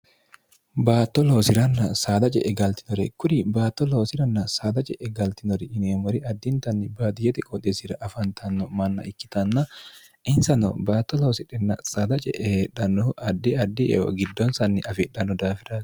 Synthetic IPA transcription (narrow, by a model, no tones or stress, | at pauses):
baːt̪ːɔlo̞ːsɪɾɐnːɐsaːd̪ɐt͡ʃʼɛ̰ʔɛɡɐlt̪ɪ̥nɔɾɛkʊɾɪbaːt̪ːɔloːsɪɾɐnːɐsaːd̪ɐt͡ʃʼɛʔɛɡɐlt̪ɪnɔɾɛɪneːmɔɾɪʔɐd̪ːɪnt̪ɐnːɪbaːd̪ɪjɛt̪ɪkʼɔt̪ʼːɛsɪɾɐʔɐfɐnt̪ʰɐnːɔmɐnːɐ̰ʔɪkːɪ̥t̪ɐnːɐ | ɪnsɐnɔ̰baːt̪ːɔlo̞ːsɪᶑɛnːɐ̰saːd̪ɐt͡ʃʼɛ̰ʔɛhᶑɐnːɔʔɐd̪ːɪɐd̪ːɪʔɛ̰ɔ̰ɡɪd̪ːɔnsɐnːɪʔɐfɪᶑɐnːɔd̪aːfɪɾaːs